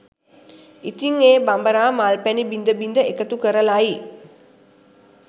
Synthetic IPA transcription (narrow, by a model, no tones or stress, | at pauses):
it̪iŋeːbambəɾaːmalpænibind̪əbind̪əekət̪ukəɾəlai